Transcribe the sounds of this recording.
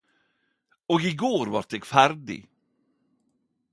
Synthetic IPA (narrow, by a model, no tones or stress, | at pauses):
ɔkɪɡoːɾvaɾt̪̚d̪ɛɡfæɾɖɪ̰ɡ